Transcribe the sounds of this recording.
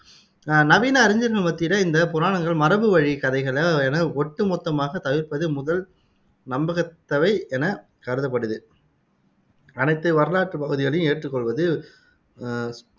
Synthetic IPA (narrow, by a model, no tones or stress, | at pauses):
nɐʋiːnɐːɾɪɲd͡ʒɐɾɣɐɭmɐt̪ːɪɾɐɪnd̪ɐpʊɾaːɳɐŋɡɐɭmɐɾɐbɯʋɐɻikɐðɐɪɣɐɭɐɛnɐɔʈːɯmɔt̪ːɐmaːɣɐt̪ɐʋɪɾpɐðɯmʊðɐl | nɐmbɐɣɐt̪ːɐʋɐɪɛnɐ | kɐɾɯðɐp̬ːɐɽɯðɯ | ɐnɐɪt̪ːɯʋɐɾɯlaːʈːrɯpɐɣɯðɪɣɐɭɐjʊ̃eːʈrɯkːɔɭʋɐðɯ